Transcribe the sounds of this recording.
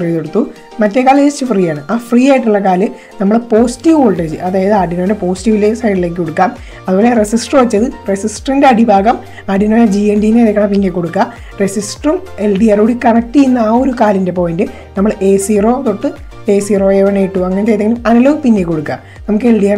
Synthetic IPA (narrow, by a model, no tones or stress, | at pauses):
frikoɽut̪ːu | mɐtːekːaːlt͡ɕeit͡ɕːɨfriːjaːɳɨʔaːfriːaːjiʈːuɭːɐkaːlɨ | nɐmːɐɭpo̞ːsi̥tːiʋoɭʈed͡ʑɨɐðaːjɐðɨaːɖinoːɖepo̞ːsi̥tːiʋilesɐjɖile̞ːk̬ːɨkoɽukːaːm | ɐðɨuboːleresisʈrɨʋɐt͡ɕːɐðɨresisʈrindeɐɽibʱaːɡɐm | aːɖinolɐd͡ʑiendijneðekːɐɳɐpinːekːo̞ɽukːa | resisʈrume̞lɖijaːruɽikɐɳɐk̚ʈːijinːaːo̞ɾukaːlinde̞po̞ːjindɨ | nɐmːɐɭeːsiro̞ːt̪oʈːɨ | e̞ːsiːroːeʋɐɳejiʈːuɐŋːɐnet͡ɕejt̪ːeŋɡilumɐnɐloːɣpinːekːo̞ɽukːa̰ː | nɐmukːɨelɖijaːɳ